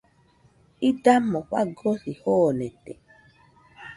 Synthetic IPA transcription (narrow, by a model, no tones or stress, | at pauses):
idamɔk͡pa̰ɡɔsihɔnɛtɛ̰